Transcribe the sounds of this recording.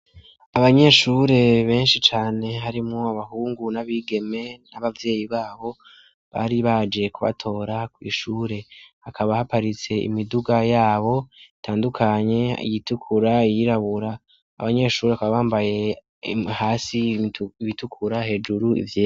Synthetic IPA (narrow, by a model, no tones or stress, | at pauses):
aβaɲe̞ʃuːɾe̞βe̞ːnʃit͡ʃaːne̞ɦaɾimŋuaβaɦuːŋɡunaβiːɡe̞me̞naβavje̞ːjiβaːβo̞ | βa̰ːɾiβad͡ʒe̞kuβa̰tʰo̞ːɾakwḭːʃuːɾe̞hakʰaβahapaɾit͡se̞ḭmiduɡajaːβo̞itʰaːndukʰaɲe̞ḭjitukʰuɾaijiɾaβuɾa̰ː | βaɲe̞ʃuːɾakaβaβaːmbaje̞ | haːsiiβitukʰuɾahe̞d͡ʒuɾuḭvjeː